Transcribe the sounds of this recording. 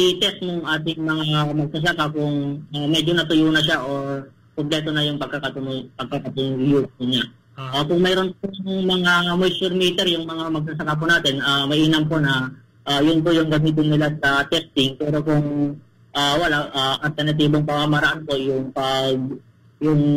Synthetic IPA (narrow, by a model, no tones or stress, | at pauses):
it̪ɛst̪̚nʊŋʔaːt̪ɪŋmɐŋaamɐɡ̚sɐs̬ɐkakʊŋamɛd͡ʒonɐt̪ʊjunɐʃ̬aʔo̞ɹ | koblɛt̪onɐjʊŋpɐɡkːɐkɐt̪ʊnʊpɐɡ̚kɐkɐt̪ʊnjupʊɲa | ʔokʊŋmɛɾo̞npoŋmɐŋamojsʊɾmiːt̪ɛɾjʊŋmɐŋamɐɡ̚sɐsɐkap̬ʊnaːt̪ɪnʔaːmɐʔiːnɐmpo̞nɐ | ʔajʊnp̬ojʊŋɡɐmiːt̪̬ɪnːɪlasɐt̪ɛst̪ɪŋpɛːɾo̞kʊŋ | ʔaːwɐlaʔaʔɐlt̪ɛɾnɐt̪̬iːboŋpɐmamɐɾɐʔanpo̞jʊŋpɐɡ̚ | jʊŋ